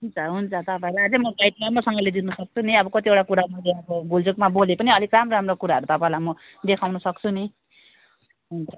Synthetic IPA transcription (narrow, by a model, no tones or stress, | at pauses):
ɦunt͡sʰʌɦunt͡sʰʌt̪ʌpãẽlajɦʌd͡zʌmʌɡajʈ̪mamʌsʌŋɡʌled̪inʌsʌk̚t͡sʰuniʌbʌkʌt̪iewʈakuɾamʌleʌbʌɡuld͡zokmabolepʌniʌlikramramrokuɾaɦʌɾut̪ʌpãẽlajmʌ | d̪ekʰawnʌsʌk̚t͡sʰuni | ɦunt͡sʰʌ